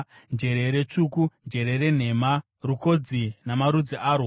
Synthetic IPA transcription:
nd͡ʒe̞ɾe̞ɾet͡ʂuːkund͡ʒe̞ɾe̞ɾe̞n̤e̞ma | ruko̞d͡zinamaɾud͡ziʔaːɾo

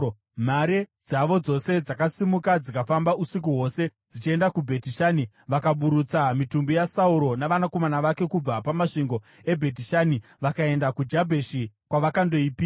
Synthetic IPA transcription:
maɾed͡zaʋo̞d͡zo̞se̞d͡zakasimukad͡zikafambausik̬uɦo̞se̞d͡zit͡ʃie̞ndakubʱe̞tiʃaːni | ʋakaɓuɾut͡samitumbijasauɾo̞naʋanako̞manaʋake̞kub͡vapamaʂiŋɡo̞ | e̞bʱe̞t̬iʃaːni | ʋakae̞ndakud͡ʒabʱeʃikwaʋakandoipi

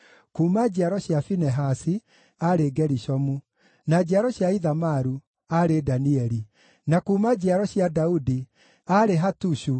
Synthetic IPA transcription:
kuːmad͡ʑeaɾɔɕjafinɛɦasi | aɾeɡɛɾiɕɔmu | nad͡ʑiaɾɔɕjaiðamaɾu | aɾedaniɛɾi | nakuːmad͡ʑiaɾɔɕjadaudi | aɾeɦatuɕu

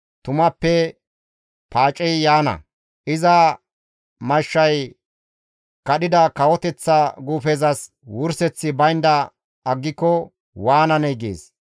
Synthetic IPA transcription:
t̪ʊmɐpːɛ | pʰaːt͡ʃʼɛjjaːnɐ̰ | ʔɪzɐ | mɐʃːɐj | kɐɗɪd̪ɐkɐwɔt̪ɛt͡sːɐɡuːfɛzɐs | wʊɾsɛt͡sːɪbɐjnd̪ɐ | ɐɡːɪkːɔ | waːnɐnɛjɡḛːs

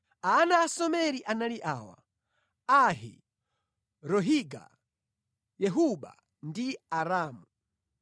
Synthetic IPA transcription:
aːnaːsɔmɛɾiʔanaliʔaːwa̰ | aɦḭ | ɾɔɦiɡa̰ | jɛɦuɓa̰ | ndiaɾaːmu

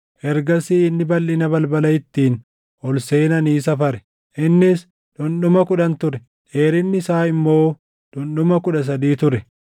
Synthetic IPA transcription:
ʔɛɾɡɐsiːɪnːɪbɐlːɪnɐbɐlbɐlɐjɪt̪ːiːn | ʔɔlseːnɐniːs̬ɐfɐɾɛ | ʔɪnːɪs | ᶑ̪ʊnɗʊmɐkʊᶑɐnt̪ʊɾɛ | ᶑeːɾɪnːɪsaːɪmːo̞ː | ᶑ̪ʊnɗʊmɐkʊᶑɐs̬ɐd̪iːt̪ʊɾɛ

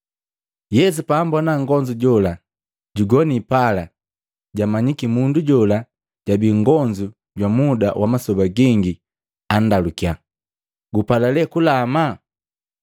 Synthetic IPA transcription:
jɛs̬upambɔnaŋɡɔɲd͡ʒuɟɔla | ɟuɡɔnipala | ɟamaɲikimunduɟɔla | ɟabiŋɡɔɲd͡ʒu | ɟwamudawʔamasɔbaɡiŋɡi | andalukija | ɡupalalɛkulama

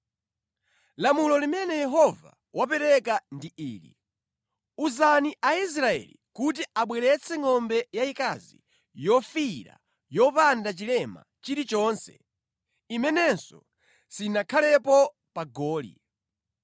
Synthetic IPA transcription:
lamulɔlimɛnɛjɛɦɔva̰ | wapɛɾɛkandiiːlḭ | uzaniʔais̬ɾaɛ̰lḭkutiaɓwɛɾɛt͡sʰɛŋɔmbɛjaikazḭ | jɔfiɾa̰ | jɔpandat͡ʃilɛma̰ | t͡ʃiɾit͡ʃɔːnsɛ̥̰ | imɛnɛnsɔ̰ | sinakʰalɛpɔ | paɡɔːlḭ

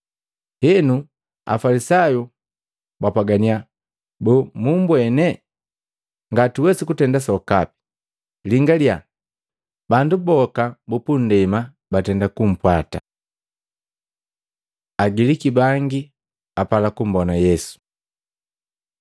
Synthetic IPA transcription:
hɛnu | a̰falisaju | bapaɡania | bɔmumbwɛnɛ | ŋɡatiwɛsikutɛndas̬ɔka̰pi̥ | liŋɡalja | bandubɔkabupun̩dɛma | batɛndakum̩pwata | aɡilikibaŋɡi | apalakum̩bɔnajɛsu̥

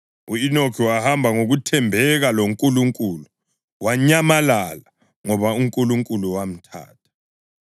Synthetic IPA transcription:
uinokʰiwahambʱaŋoɣutʰɛmbʱɛɣaloŋkʼuluŋkʼuːlu | waɲamalala | ŋɔβauŋkʼuluŋkʼuluwam̩tʰa̰ːt̚ʰḁ

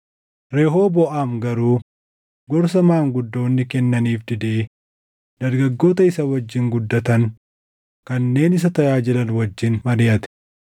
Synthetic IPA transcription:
ɾeːɦo̞ːbɔʔaːmɡɐɾuː | ɡɔɾs̬ɐmaːŋɡʊd̪ːo̞ːnːɪkɛnːɐniːfd̪ɪd̪eː | d̪ɐɾɡɐɡːo̞ːt̪ɐɪsɐwɐd͡ʒːɪŋɡʊd̪ːɐt̪ɐn | kɐnːe̞ːnɪs̬ɐt̪ɐjaːd͡ʒɪlɐnwɐd͡ʒːɪnmɐɾɪjɐt̪ɪ̥

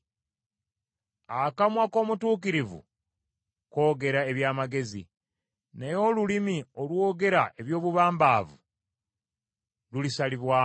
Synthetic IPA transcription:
akamwako̞ːmutuːk̬iɾivṵ | ko̞ːɡe̞ɾae̞βjaːmaɡe̞zḭ | nejo̞lulimiolwo̞ːɡe̞ɾaʔe̞βjo̞ːβuβaːmbaːvu | lulisaliβwaː

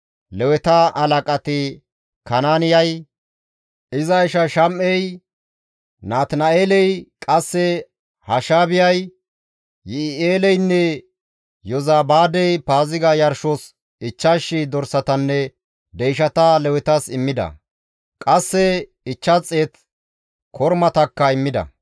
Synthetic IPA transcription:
lɛwɛt̪ɐʔɐlɐkʼɐt̪ɪ | kɐnaːnɪjɐj | ɪzɐɪʃɐʃɐmʔɛj | naːt̪nɐeːlɛjkʼɐsːɛ | hɐʃaːbɪjɐj | jɪeːlɛjnːɛ | jɔzaːbaːd̪ɛjpaːzɪɡɐjɐɾʃos | ɪt͡ʃːaʃːɪd̪ɔɾsɐt̪ɐnːɛ | d̪ɛjʃɐt̪ɐlɛwɛt̪ɐsɪmːɪd̪ɐ̰ | kʼɐsːɛ | ɪt͡ʃːɐt͡sʼːe̞ːt̪ | kʰɔɾmɐt̪ɐkːɐɪmːɪd̪ɐ̰

